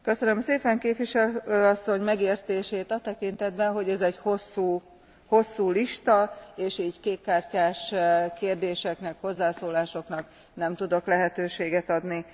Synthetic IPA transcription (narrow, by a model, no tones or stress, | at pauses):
kø̞sønømseːpɛŋkeːpvʋiʃɛløːɒsːo̞ɲmɛɡeːrt̪eːʃeːt̪ɒt̪ɛkint̪ɛd̪bɛnɦo̞ɟɛzɛɟho̞sːuː | ho̞sːuːliʃt̪ɒeːʃiːɟkeːkːaːrcaːʃkeːrd̪eːʃɛknɛkho̞zːaːsoːlaːʃo̞knɒk | nɛmt̪ud̪o̞klɛɦɛt̪øːʃeːɡɛt̪ɒd̪ni